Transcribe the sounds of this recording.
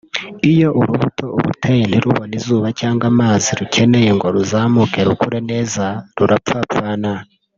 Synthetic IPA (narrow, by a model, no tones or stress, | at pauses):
ijo̞ʔuɾuβutʰo̞ṵɾṵtʰejeniɾuβonizuːβacaːŋɡwamaːziɾuce̞ne̞jeŋɡo̞ɾuzaːmuke̞ɾukuɾene̞ːzaɾuɾapfapaːna